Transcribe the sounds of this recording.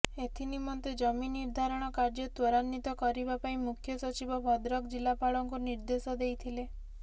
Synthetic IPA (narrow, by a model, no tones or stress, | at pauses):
et̪ʰinimɔnt̪ed͡ʒɔminiɾd̪ʱaɾɔɽ̃ɔkaɾd͡ʒɔt̪wɔɾanːit̪ɔkɔɾibapaĩmukʰjɔsɔt͡ʃibɔbʱɔd̪ɾɔkd͡ʒilapaɭɔŋkuniɾd̪esɔd̪ejt̪ʰile